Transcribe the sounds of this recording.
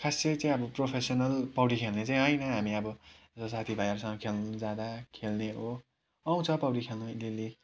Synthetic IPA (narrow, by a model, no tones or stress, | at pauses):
kʰasʌjt͡saĩʌbʌpropʰesʌnʌlpʌwʈikʰelnet͡saĩɦʌjnʌɦamiʌbʌ | sʌsat̪ʰibʱajʌɾsʌŋkʰelnud͡zad̪akʰelneɦo | aw̃t͡sʰʌpʌwɽikʰelnʌilili